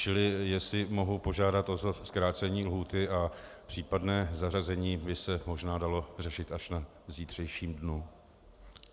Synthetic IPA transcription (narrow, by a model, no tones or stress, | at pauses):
t͡ʃɪlɪjɛsɪmo̞ɦupo̞ʒaːdat̪ʔozoskɾaːt͡sɛɲiːlɦuːt̪ɪʔa | pr̝̥iːpadnɛːzarazɛɲiːbɪsɛmo̞ʒnaːdalo̞r̝ɛʃɪt̪ʔaʃna | ziːt̪r̝̥ɛjʃiːmdnu